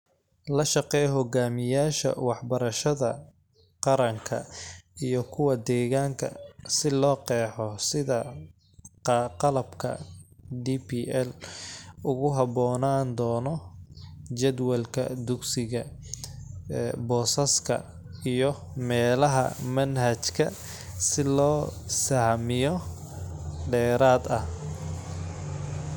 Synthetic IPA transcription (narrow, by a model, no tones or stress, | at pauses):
lɐʃɑqɛjɦɔɡaːmɪjaːʃɐ̰wɑħbɐɾɐʃɐðɐ | qɑɾɐŋkʰɐ̰ijɔkʰʊwɐd̪ɛːɣaːŋkʰɐ̰sɪlɔːqɛːħɔsɪðɐ | qɑlɐbkʰɐ̰dipiʔɛl | ʊɣʊɦɑβɔːnaːnd̪ɔːnɔ | t͡ʃɛd̪wɐlkʰɐ̰d̪ʊɡsɪɣɐ | bɔːsɐskʰɐ̰ | ijɔmɛːlɐɦɐ̰mɐnɦɐt͡ʃkʰɐ | sɪlɔːsahmɪjɔ | ɖɛːɾaːd̪ɐh